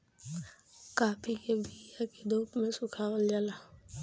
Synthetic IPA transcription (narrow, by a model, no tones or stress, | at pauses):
kaːpʰikebʱijaked̪oːpmẽsʊkʰaold͡ʒala